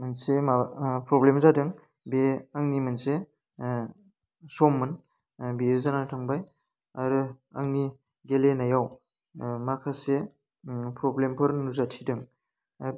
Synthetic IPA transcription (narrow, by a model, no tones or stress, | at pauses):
mɯnsemapɾɔblemzadɯŋ | beaŋnimɯnse | sɔmːɯn | bizanatʰaŋbaj | aɾɯaŋni | ɡelenajaw | makʰase | pɾɔblempʰɯɾnuzatʰidɯŋ